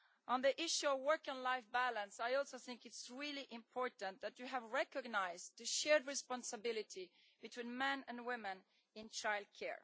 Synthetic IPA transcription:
ʔə̃nðiʔɪʃuɔvwɜ˞kə̃nlaɪfbælə̃nsajɔlˠsoʊθɪ̃ŋkɨtsɹilˠiʔɪ̃mpʰɔɹtə̃nðæt͡ʃɨævɹɛkɔɡnaɪzt̪ɨʃɛɹdɹɨspɑ̃nsɨbɪlˠɨtʰi | b̥ɨtʰw̥ĩnmɛ̃nɨ̃nwɪ̃mɨ̃n | ɪ̃nt͡ʃaɪlˠd̚kʰɛ̰ɹ

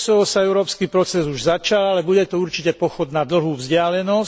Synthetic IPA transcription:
sɔʋɔsaɛʊɾɔːpskiːpɾɔt͡sɛzuʒzat͡ʃalalɛbuɟɛt̪ɔuɾt͡ʃicɛpɔxɔd̪nad̪l̩ɦuːvzɟɪalɛnɔs

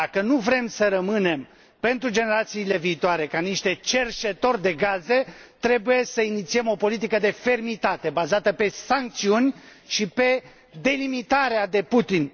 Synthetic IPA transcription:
akənuvɾe̞msəɾəmɨne̞m | pe̞nt̪ɾud͡ʒe̞ne̞ɾat̪siːle̞viːt̪oaɾe̞kaniʃt̪e̞t͡ʃe̞rʃe̞t̪o̞rʲd̪e̞ɡaze̞t̪ɾe̞buje̞səinit̪siemo̞po̞lit̪̬ikəd̪e̞fe̞rmit̪at̪e̞bazat̪əpe̞saŋk̚t̪siunʲʃipe̞ | d̪e̞limit̪aɾead̪e̞put̪in

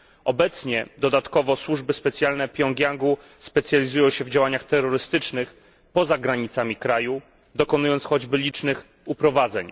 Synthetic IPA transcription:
ɔbɛt̪sɲɛd̪ɔd̪at̪kɔvɔswuʐbɘspɛt̪sʲjalnɛpʲjɔŋɡʲjaŋɡu | spɛt̪sjalʲizujɔ̃w̃ɕɛvd͡ʑawaɲaxt̪ɛɾːɔɾɘst̪ɘt͡ʂnɘx | pɔzaɡɾaɲit̪samʲikɾaju | d̪ɔkɔnujɔnt̪sxɔd͡ʑbɘlʲit͡ʂnɘx | upɾɔvad̪zɛ̰ɲ

